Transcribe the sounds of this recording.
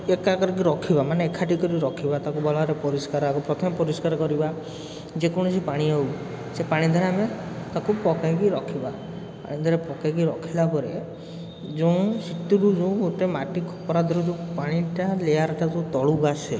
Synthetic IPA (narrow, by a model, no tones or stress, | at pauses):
ekakɔɾik̬iɾɔkʰibamaneːkʰaʈikɔɾiɾɔkʰibat̪akubʱɔlaɾepɔɾiskaɾakupɾɔt̪ʰɔmepɔɾiskaɾɔkɔɾiba | d͡ʒekɔɽ̃ɔsipaɽ̃iow | sepaɽ̃id̪ʱɔɾeame | t̪akupɔkakiɾɔkʰiba | pa̰ɽ̃id̪ʱɔɾepɔkakiɾɔkʰilapɔɾe | d͡ʒow̃sit̪uɾud͡ʒũoʈemaʈikʰɔ̥pɔɾad̪ʱɔɾud͡ʒupaɽ̃iʈalejaɾɔtad͡ʒũt̪ɔɭuɡase